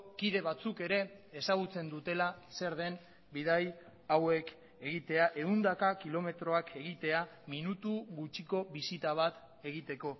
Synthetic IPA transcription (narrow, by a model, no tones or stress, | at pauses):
kiðe̞βat͡suke̞ɾe̞ːsaɣ̞ut͡se̞nd̪ut̪e̞lase̞ɾðe̞n | biðaj | awe̞k | e̞ɣit̪e̞aʔe̞und̪akakilo̞me̞t̪ɾo̞akʰe̞ɣit̪e̞aminut̪uɣut͡ʃiko̞βisit̪aβ̞at̪ | e̞ɣit̪e̞ko̞